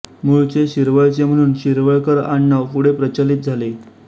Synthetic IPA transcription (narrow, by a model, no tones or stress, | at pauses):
muɭt͡seɕiɾʋəɭt͡sem̤əɽ̃uːnɕiɾʋəɭkəɾaɳːaʋpuɽepɾət͡ɕalit̪̚d͡zʱale